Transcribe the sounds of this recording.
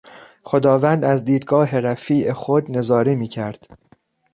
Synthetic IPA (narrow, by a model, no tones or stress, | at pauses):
χo̞d̪ɒːvænd̪æzd̪iːd̪ɡɒːɦe̞ɾæfiːʔexod̪ne̞zɒːɾimiːcʰæɾd̪̥